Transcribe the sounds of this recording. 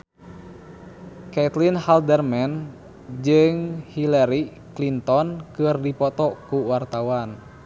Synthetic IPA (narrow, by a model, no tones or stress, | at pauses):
kɛt̪linhaldɛrmɛn | d͡ʒɨŋhilɛɾi | klint̪ɔnkɨrdipɔt̪ɔkuwart̪awan